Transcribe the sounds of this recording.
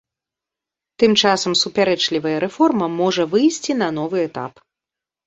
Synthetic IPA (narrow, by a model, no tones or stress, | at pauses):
t̪ɨmt͡ʂasɐmsupʲaɾɛt͡ʂlʲivɐjɐɾɛfɔrmɐmɔʐɐvɨjsʲt͡sʲinɐn̪ɔvɨɛt̪a̰p